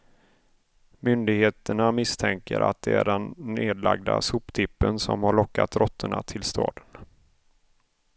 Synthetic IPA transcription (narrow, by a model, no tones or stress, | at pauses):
mʏnd̪ɪɡheːt̪əɳamɪst̪ʰɛŋkəɾʔa̰t̪̚d̪ɛæɖɛnːeːd̪laɡ̚d̪a̰suːpt̪ʰɪpːənsɔmhaɭɔkːat̪ɾɔt̪ʰːəɳat̪ʰɪlst̪ʰɑːd̪ən